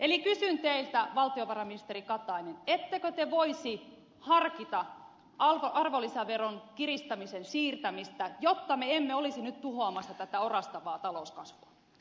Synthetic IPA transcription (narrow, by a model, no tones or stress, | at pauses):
elikysynt̪eilt̪æʋɑlt̪ioʋɑrɑminist̪erikɑt̪ˑɑinenet̪ːekøt̪eʋoisi | hɑrkit̪ɑ | ʔɑlʋoʔɑrʋolisæʋeronkirist̪ɑmisensiːrt̪æmist̪æjot̪ːɑmeemːeolisinyt̪t̪uhoɑmɑsːɑt̪æt̪æorɑst̪ɑʋɑːt̪ɑlouskɑsʋuɑ